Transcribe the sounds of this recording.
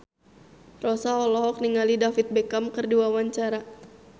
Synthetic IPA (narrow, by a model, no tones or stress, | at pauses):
rɔsaɔlɔɦɔk̚niŋalidafit̪̚bɛkamkɨrduwawaɲt͡ʃaɾa